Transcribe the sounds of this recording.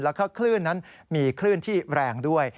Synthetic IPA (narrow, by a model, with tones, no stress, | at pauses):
lɛ˦˥kʰɔː˥˩kʰlɯ˥˩nːa˦˥n | miː˧kʰlɯː˥˩nt̪ʰiː˥˩ɾɛː˧ŋdu˥˩əj